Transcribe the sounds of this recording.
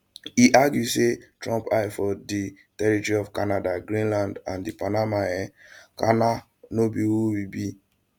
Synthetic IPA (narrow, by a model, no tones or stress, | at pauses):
iʔaɡjusetɹɔ̃mpaɪfɔdi | tɛɹitɔɹiɔvkanadaɡɹĩnlãndãndipanamaɛ̃kana | nobiwuwibi